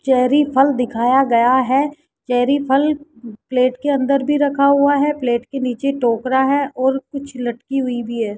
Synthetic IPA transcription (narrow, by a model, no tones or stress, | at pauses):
t͡ʃɛɦɾipʰɐld̪ɪkʰaːjaɡɐjaɦɛː | t͡ʃɛːɾipʰəlpleːʈkeɐ̃nd̪əɾbʱiɾɐkʰaɦʊaɦɛpleːʈkeniːt͡ʃeʈoːkɾaɦɛʔɔːɾkʊt͡ʃʰlɐʈkiɦʊibʱiɦɛː